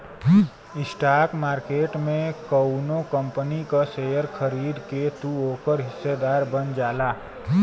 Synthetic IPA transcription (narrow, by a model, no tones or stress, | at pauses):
ɪsʈaːɾkmaːɾkeːʈmẽkəwnokə̃mpənikasejəɾkʰəɾiːd̪ket̪uoːkəɾɦɪsːed̪aːɾbənd͡ʒaːlaː